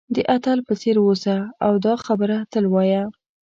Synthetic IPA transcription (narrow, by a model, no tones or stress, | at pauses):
d̪əʔat̪alpət͡seɾwosaawd̪ɑxabəɾat̪əlwɑja